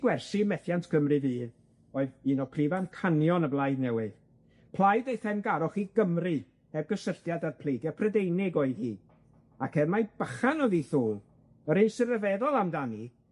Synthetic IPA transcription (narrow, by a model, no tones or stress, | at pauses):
ɡwɛrsimɛθjantʰkʰəmrɨviːð | ɔɨðiːnɔpʰrivankʰanjɔnəblˠajdnɛwɪð | pʰlˠajdejθɛmɡaɾɔχiɡ̥əmrɨ | hɛvɡəsərθjadarpʰl̥ˠejɡjɛpʰrədejnɪɡɔːɨðhiː | akʰɛvmajb̥aχanɔðiθuːlˠ | əɾɨnsərəvɛðɔlˠamdani